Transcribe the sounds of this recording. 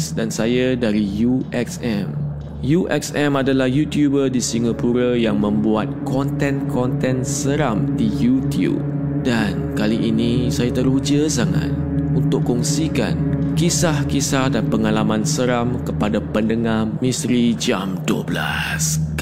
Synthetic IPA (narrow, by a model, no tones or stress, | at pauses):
sdansajadaɾijuʔɛksɛ̃m | juʔɛ̰ksɛ̃madalahjut̪jubədisiŋapuɾajaŋmə̃mbuat̪̚kɔnt̪ɛ̃nkɔnt̪ɛ̃nsəɾamdijut̪jṵb̚ | dankaliʔinĩsajat̪əɾud͡ʒəsaŋa̰t̪̚unt̪ʊʔkːɔŋsika̰nkisahkisahdanpəŋalamãnsəɾamkəpadapəndəŋahmĩst̪ɾid͡ʒamduə̰bla̰s